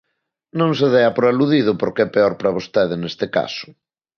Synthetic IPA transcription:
nõŋseðɛɐpɾoaluðið̞ʊpoɾkeɛpeɔɾpɾɐβ̞ost̪ɛðenest̪ɪka̰sʊ̥

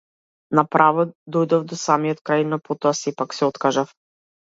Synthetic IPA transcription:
napɾavɔd̪ojd̪ɔvd̪ɔsamiɔt̪kɾajnɔpot̪ɔasɛpaksɛot̪kaʒaf

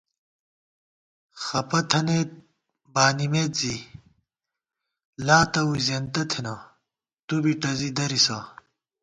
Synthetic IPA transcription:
xɐpɐt̪ʰɐneː | baːnimeːt̪zi | laːt̪ɐwuzɐnt̪ɐt̪ʰinɐ | t̪ubiʈɐzid̪ɐɾisaː

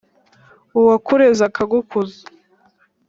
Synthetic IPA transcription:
uwakuɾezakʰaɡukʰuzḁ

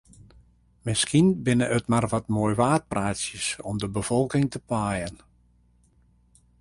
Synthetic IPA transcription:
mɪskinbɪnəʔətmarʋɔtmojʋaːt̚praːsjəsɔmdəbəfɔlˠkɪŋtəpʰaːjən

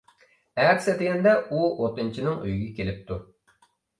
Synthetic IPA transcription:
æɾsɛt̪ɪɡʲɪnd̪ɛuot̪ɨnt͡ʃʰinɪŋy̰jɡʲɛkʲelɪp̚t̪ʰu

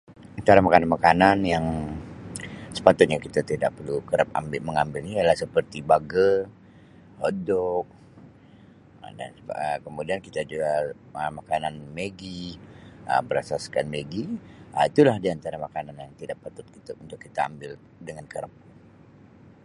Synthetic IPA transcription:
ant̪aɾamakananmakananjaŋ | sə̥pat̪ʊt̪̚ɲakit̪at̪ida̰ʔ̚pərlukəɾəp̚a̰mbɪməŋambɪlnijalahsəpərt̪ibaɡə | hodɔk̚ | da̰nəkəmudiankit̪ad͡ʒuɡa | əmakananmeɡi | ə̰bəɾasaskanmeɡiəit̪ulahdiant̪aɾamakananjaŋt̪idaʔpat̪ʊt̪̚kit̪aunt̪ʊkːit̪aa̰mbɪl | dəŋankəɾəp̚

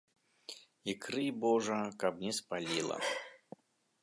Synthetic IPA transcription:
ikɾɨbɔʐɐkabnʲɛspalʲilˠɐ̰

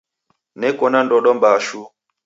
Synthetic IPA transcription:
nɛkɔnandɔɗɔmbaʃu

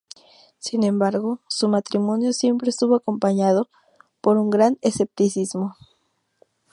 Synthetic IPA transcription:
sinẽ̞mbaɾɣo̞sumat̪ɾimõ̞njo̞sje̞mpɾe̞ːst̪uβoako̞mpaɲað̞o̞ | po̞ɾuŋɡɾane̞se̞p̚t̪isizmo̞

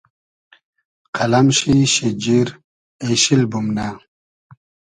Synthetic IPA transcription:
qʰɐlɐmɕiɕid͡ʑiɾ | eɕilbumna

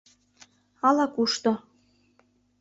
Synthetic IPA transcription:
ɑlˠɑkuʃt̪ɤ̆

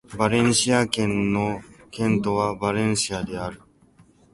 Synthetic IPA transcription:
baɾẽ̞ɰ̃ɕiakẽ̞nːo̞kẽ̞nt̪o̞βabaɾẽ̞ɰ̃ɕiad̪e̞aɾɯ̟

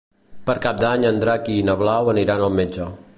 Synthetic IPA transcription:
pəɾkap̚d̪aɲənd̪ɾakinəβlawəniɾanəlˠmed͡ʒə

